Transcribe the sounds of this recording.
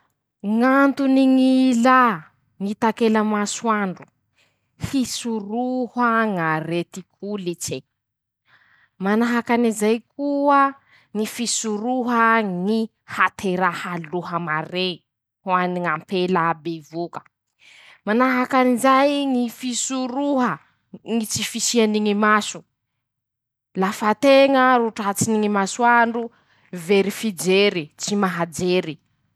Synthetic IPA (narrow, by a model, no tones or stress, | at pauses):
ŋant̪uniŋila | ŋit̪akelamaswaɳɖ͡ʐu | fisuruhaŋaɾet̪ikʰulit͡ʃe | manaɦakanizajkʰuə | ŋifisuɾuɦəŋi | hat̪ʰeɾahaluɦəmare | huaniŋampelabevukə̥ | manaɦakanizajŋifisuɾuɦə | ŋit͡sifisianiŋimasu̥ | lafat̪eŋəɾuʈ͡ʂat͡siniŋimasuaɳɖ͡ʐu | veɾifid͡ʒeɾit͡simaɦad͡ʒeɾi